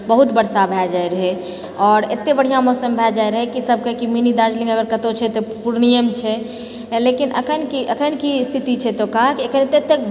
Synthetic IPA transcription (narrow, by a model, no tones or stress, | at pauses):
bəɦut̪bəɾsabʱɛd͡ʒaeɾəɦɛ | ɔːɾḛt̪ːebəɽ̤ijamɔsəmbʱɛd͡ʒaeɾəɦɛkisəb̚ʱkekiminid̪aɾd͡ʒlĩŋɡəɡəɾkət̪ot͡ʃʰɛt̪opuɾnijəmt͡ʃʰɛ | lekinʔəkʰənkiʔəkʰənkist̪ʰit̪it͡ʃʰɛt̪okaɦkekʰənet̪ːet̪ːek